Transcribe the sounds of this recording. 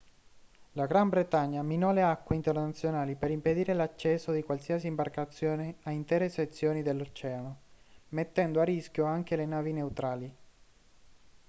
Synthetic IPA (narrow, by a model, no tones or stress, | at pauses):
laɡɾambɾet̪aɲːaminɔleakːweint̪ernat̪sːjonaːlipeɾimped̪iːɾelat͡ʃːɛsːod̪ikwalsiasiːmbarkat̪sːjoːneaint̪ɛːɾeset̪sːjoːnid̪elːot͡ʃɛːanomet̪ːɛnd̪oariskjoaŋk̟elenaːvinewt̪ɾaːli